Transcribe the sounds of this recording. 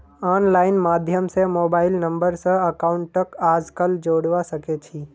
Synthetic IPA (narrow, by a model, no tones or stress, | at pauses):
aːnlaːɪnmaːd̪ʱjəmsemoːbaːɪlnə̃mbəɾsə̃ɐkaːʊɳʈːəkaːd͡ʒkəld͡ʒoːɽʋasəket͡ʃʰiː